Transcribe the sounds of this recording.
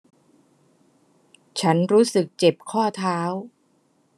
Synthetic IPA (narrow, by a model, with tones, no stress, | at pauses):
t͡ɕʰa˦˥nɾuː˦˥sɯ˨˩k̚t͡ɕe˨˩p̚kʰɔː˥˩t̪ʰaː˦˥w